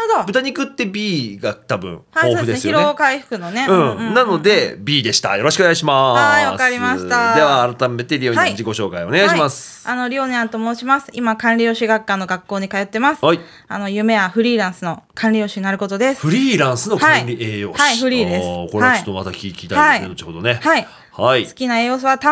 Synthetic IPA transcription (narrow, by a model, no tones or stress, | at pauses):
od̪obɯt̪aɲ̟ikɯ̟t̪ːe̞bʲiːɡat̪abɯ̟̰̃ɴasood̪ɯ̟d̪esnesɨjoiɾoeːkaiɸɯ̟̥kɯ̟no̞ne̞ɯɯ̃nano̞d̪e̞bʲiːd̪e̞ɕi̥t̪a̰jo̞ɾoɕikɯonɡaiɕimaaβakaɾʲimaɕi̥t̪ad̪e̞βaːɾat̪ame̞t̪e̞ɾʲioɲaid͡ʑiko̞ɕo̞ːka̰io̞neɡaiɕiimasɨ̥ano̞ɾʲioːɲeãnt̪omoːɕimasɨ̥imakãnɾʲijo̞ːɕiɡakːãnːo̞ɡakːo̞ːɲ̟ikajo̞t̪ːe̞masɨ̥i | a̰no̞jɯ̟ːme̞jaɸɯ̟ɾʲiːɾãɰ̃sɨno̞kʰãnɾʲijo̞ːɕiɲnaɾɯ̟ko̞t̪o̞d̪e̞sɨ̥ɸɯ̟ɾʲiːɾãɰ̃sɨno̞ãĩɾʲieːjoːhaihɯ̟ɾʲiːd̪esɨkoait̪oma̰t̪a̰kʲiːkʲiːt̪aaiod̪onehai | haisɨ̥kʲinaejo̞ːs̬ɨβat̪a